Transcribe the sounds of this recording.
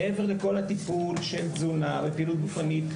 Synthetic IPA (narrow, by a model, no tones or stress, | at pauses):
eve̞ʁleko̞lhat̪ipulʃelzunabepiːlut̪̚ɡufanit̪